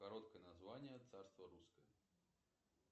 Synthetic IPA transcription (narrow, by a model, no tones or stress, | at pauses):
kaɾɔt̪kɐjɛnazvanʲɪjət̪sarst̪vɐɾuskɐjɐ